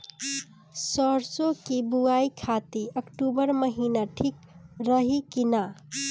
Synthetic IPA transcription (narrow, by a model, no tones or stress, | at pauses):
səɾsokibuaikʰat̪iəkʈubəɾməɦinaʈʰikɾəɦikina